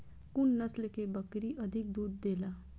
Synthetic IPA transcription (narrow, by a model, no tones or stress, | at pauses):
kunːət͡slekʰebəkɾiʔəd̪ʱik̚d̪uːd̪ːela